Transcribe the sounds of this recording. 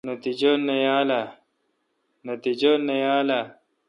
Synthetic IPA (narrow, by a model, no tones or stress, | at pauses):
nɐt̪id͡ʑonːɐjaːla | nɐt̪id͡ʑonːɐjaːla